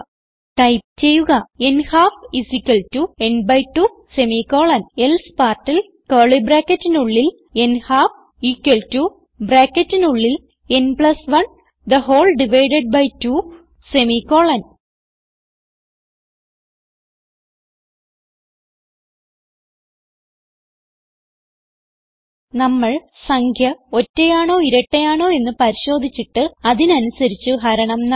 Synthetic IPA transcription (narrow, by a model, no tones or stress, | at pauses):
ʈɐjp̚t͡ɕejːuɣɐenhaːfisikːɐltuenbɐjʈu | semikoːɭɐnelspaːrʈːil | kɐːɭibɾaːkːɐtːinuɭːil | enhaːf | ikːɐltu | bɾaːkːɐtːinuɭːil | enpɭɐsʋɐɳ | d̪ɐɦoːlɖiʋɐjɖeɖ̚bɐjtuː | semiko̞ːɭɐn | nɐmːɐɭ | sɐŋkʰjɐo̞tːejaːɳo̞ːiɾɐʈːejaːɳo̞ːe̞nːɨpɐɾiɕo̞ːd̪ʱit͡ɕːiʈːɨɐðinɨɐnusɐɾit͡ɕːuɦɐɾɐɳɐmnɐ